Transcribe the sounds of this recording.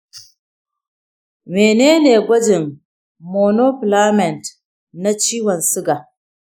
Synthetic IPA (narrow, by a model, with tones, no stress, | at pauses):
meː˨neː˦neː˨ɡʷɐ˦d͡ʒɪ˨ŋ | mo˨no˦pla˦mɛ˨nt | na˦t͡ʃiː˦wɔ˨nsʊ˦ɡa˨